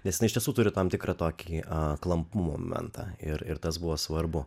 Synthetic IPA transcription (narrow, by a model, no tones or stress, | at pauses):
nʲɛsjɪnɐɪʃt̪ʲɛsuːt̪ʊɾʲɪt̪ɐmt̪ʲɪkɾɑːt̪oːkʲiːklˠɐmpumo̰ːmʲɛ̰nt̪ɑ̰ːɪɾɪɾt̪ɐsbʊʋoːsʋɐɾbʊ